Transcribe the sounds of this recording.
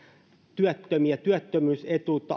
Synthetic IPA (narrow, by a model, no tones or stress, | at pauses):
t̪yæt̪ːømiæt̪yæt̪ːømyːset̪uːt̪ːˑɑ̰